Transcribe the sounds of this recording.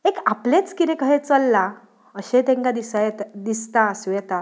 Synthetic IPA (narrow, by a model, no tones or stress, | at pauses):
ekaplet͡skit̪ẽkəɦet͡səlːa | əɕet̪ẽŋkad̪isajt̪d̪ist̪asʋɛt̪a